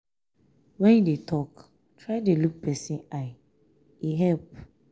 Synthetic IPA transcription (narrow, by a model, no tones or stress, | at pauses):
wɛ̃njidetʰɔk | tʰɹaɪdeluk̚pɛsĩaɪ | iɦɛlp